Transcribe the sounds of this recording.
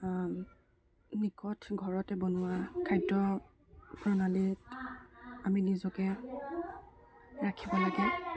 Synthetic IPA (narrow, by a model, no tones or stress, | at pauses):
nikɔtʰɡʱɔɹɔtɛbɔnʊwakʰajdɔ | bɹɔnalit | aminizɔkɛ | ɹakʰibɔlaɡɛ